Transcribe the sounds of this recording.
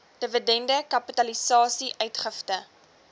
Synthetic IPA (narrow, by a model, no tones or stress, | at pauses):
d̥əvədɛndəkɐpitɐlisɑːsiʔœɥtχəftə